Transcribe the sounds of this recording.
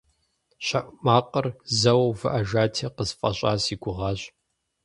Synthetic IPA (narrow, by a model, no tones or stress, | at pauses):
ʃɐʔmaːqʼərzɐwɐwvɨʔaʒaːtʰeqəzfʼɐɕʷʼa̰ːsiːɡʷʊʁɑːɕ